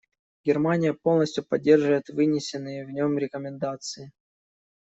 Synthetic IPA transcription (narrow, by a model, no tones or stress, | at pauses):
ɡʲɪrmanʲɪjəpo̞lˠnəsʲtʲjʊpɐdʲːe̞rʐɨvəjɪt̪vɨnʲɪsʲɪnːɨjəvnʲo̞mɾʲɪkəmʲɪnd̪at̪sɨɪ